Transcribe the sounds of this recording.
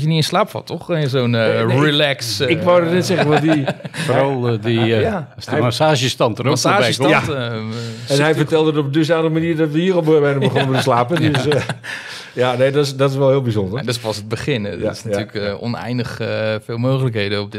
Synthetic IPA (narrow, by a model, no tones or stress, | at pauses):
jəniənslaːpfɔ̰tʰɔxəsoːnrilɛksɪkʋodənɛtsɛɣənʋɔdifoɔlˠdiasmasaːʒəstɑntəmsaːs | ɛnhɛjfərtɛlˠdətɔpədøs̬aːnləɣəmaniːrdɔtʋəiərolˠbøːbɛnbəxonəmətəslaːpəndøs | janedɔsdɔtɪsʋɛlˠhɪːlˠbizondərndɪspɔsət̚bəχɪnɪsnatyləkɔ̰nɛ̰jndəxfɪːlˠmoːχələkheːdəɔp̚dɪ